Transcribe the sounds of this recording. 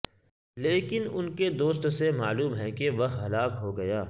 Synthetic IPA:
leːkɪnʊnked̪oːst̪semaːluːmɦɛ̃keʋɐɦɦɐlaːkɦoɡɐjaː

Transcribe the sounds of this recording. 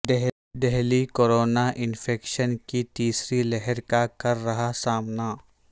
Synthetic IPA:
d̪ɛɦ | d̪ɛɦlikoːɾoːnaʔɪnfʰeːkʃənkit̪iːsɾilɛɦɛɾkakɐɾːɐɦasaːmna

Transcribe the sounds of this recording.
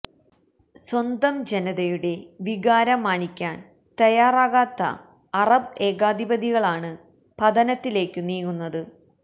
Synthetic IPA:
swɐnd̪ɐmd͡ʑenɐðɐjuɽe̞ʋiɣaːɾɐmaːnikʲːaːn | t̪ɐjaːraːɣaːt̪ːɐ̰ | ɐrɐbe̞ːɣaːd̪ibɐd̪iɣɐɭaːɳɨ | pɐd̪ɐnɐt̪ːile̞ːkːuniːɣunːɐðɨ

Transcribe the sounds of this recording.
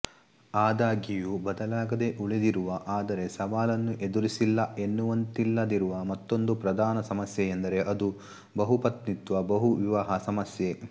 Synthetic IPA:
aːd̪aːɡijubɐd̪ɐlaːɡɐd̪e̞ʔuɭid̪iɾuʋɐʔaːd̪ɐɾe̞sɐʋaːlɐnːuʔe̞d̪uɾisilːɐe̞nːuʋɐnt̪ilːɐd̪iɾuʋɐmɐt̪ːo̞nd̪upɾɐd̪aːnɐsɐmɐsjejend̪ɐɾe̞ʔɐd̪u | bɐɦupɐt̪nit̪ʋɐbɐɦuʋiʋaɦɐsɐmɐsje

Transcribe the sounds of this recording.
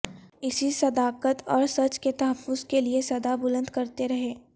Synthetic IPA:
ɪsisɐd̪aːqət̪ɔːɾsɐt͡ʃket̪ɐɦəfːʊzkeliesɐd̪abʊlə̃nd̪kɐɾt̪eɾɐɦeː

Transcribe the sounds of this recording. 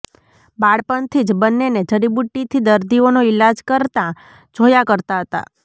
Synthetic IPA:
baɽpənt̪ʰid͡ʒbənːened͡ʒəɽibuʈːit̪ʰid̪əɾd̪ionoilad͡ʒkəɾt̪ã | d͡ʒʱojakəɾt̪aɦət̪a̰

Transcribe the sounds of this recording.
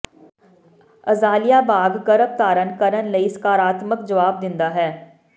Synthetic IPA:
ɐzaːlijabaːɡːɐɾək̚t̪aːɾənkɐɾənləiskaːɾaːt̪məkd͡ʒɐʋaːb̚d̪ɪ̃nd̪aɦɛː

